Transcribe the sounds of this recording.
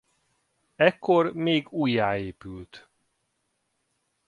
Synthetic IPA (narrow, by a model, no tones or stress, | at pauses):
ɛkːormeːɡuːjːaːeːpylt̪